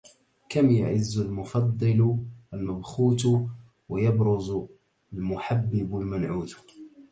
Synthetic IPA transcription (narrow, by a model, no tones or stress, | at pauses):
kamja̰ʕɪzːʊlmʊfɑd̪ˤːɨlalmabxuːt̪ | wajɑbɾʊz | lmʊħabːɪblmanʕuːd̪